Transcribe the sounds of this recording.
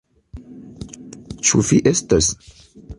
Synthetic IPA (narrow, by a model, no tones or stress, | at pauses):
t͡ʃufiʔestas